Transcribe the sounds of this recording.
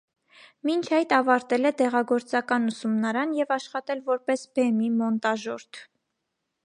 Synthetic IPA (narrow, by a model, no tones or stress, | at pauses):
mint͡ʃʰɑjt̪ɑvɑɾt̪ɛlɛd̪ɛʁɑɡɔɾt͡sɑkɑnusumnɑɾɑnjɛvɑʃχɑt̪ɛlvɔɾpɛsbɛmimɔnt̪ɑʒɔɾt̪ʰ